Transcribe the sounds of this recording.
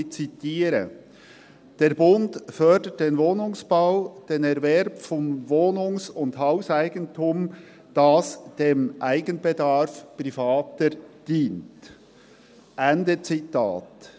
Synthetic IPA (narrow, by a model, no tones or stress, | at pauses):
t͡sitiːɾə | d̥eːɾbʊndfœdət̚d̥eːnvoːnʊŋsb̥aʊd̥eːnɛɾvɛɾbfɔnvoːnʊŋsʊndhaʊsaɪɡəntʰuːm | d̥ɑsd̥eːmʔaɪɡənbɛdɑɾfpɾifɑːtəɾd̥iːnt | ʔɛndət͡sitʰa̰ːt